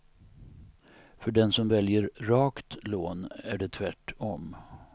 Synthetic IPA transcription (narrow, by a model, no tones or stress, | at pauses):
fœɖɛnsɔmvɛljəɾɾɑːkt̪loːnæɖɛt̪ʰvæʈʰɔm